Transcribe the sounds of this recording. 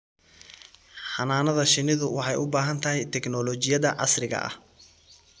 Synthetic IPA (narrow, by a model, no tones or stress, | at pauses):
ħɑnaːnɐðɐʃɪnɪðʊwɑħɑjʊbaːɦɐnt̪ʰɐɦɛjt̪ʰɛɡnɔlɔːt͡ʃɪjɐðɐʕɑ̰srɪɣɐ̰ʔɐ̰h